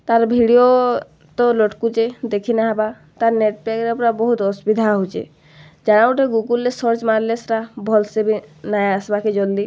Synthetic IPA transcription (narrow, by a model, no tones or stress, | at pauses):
t̪aɾbʱiɽijo | t̪ɔlɔʈkut͡ʃed̪ekʰinaɦaba | t̪aɾneʈ̚pekɾepɾabɔɦut̪ɔsbid̪ʱaɦut͡ʃḛ | d͡ʒaɽ̃awʈeɡuɡulːesɔɾt͡ʃmaɾlesɾabʱɔlsebinajasbaked͡ʒɔlːi